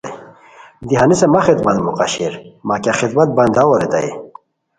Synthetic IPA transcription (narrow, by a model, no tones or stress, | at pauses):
d̪iɦanisemɐxid̪mɐnmuqa̰ɕiɾmakaxid̪mɐt̪̚bɐnd̪awoɾit̪a̰jḭ